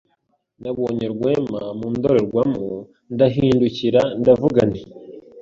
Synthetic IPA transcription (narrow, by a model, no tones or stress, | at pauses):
ndaβoːɲe̞ɾɡwe̞ːmamumud̪o̞ɾeɾɡwamo | ndaɦiːnduciɾandavuɡane